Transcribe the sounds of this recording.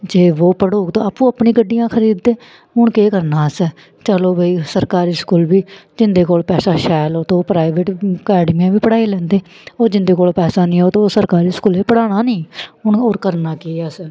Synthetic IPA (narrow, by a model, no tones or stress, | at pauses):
d͡ʒeːʋoːpəɽoːkt̪õːaːpũːəpɳĩːɡəɖːijãːkʰəɾiːd̪ːeː | ɦʊɳkeːkəɾnaːəsɛ | t͡ʃəloːbeiːsəɾkaːɾiːskuːlʋiːd͡ʒɪnd̪eːkoːlpɛːsaːʃɛːloːt̪õːpɾaːɪʋeːʈəkɛːɖmiːãːʋiːpəɽaːiːlɛ̃ːnd̪eː | oːd͡ʒɪnd̪eːkoːlpɛːsaːnĩːoːt̪õoːsəɾkaːɾiːskuːliːpəɽaːɽ̃aːnĩːɦʊɳoːɾkəɾnaːkeːəsɛː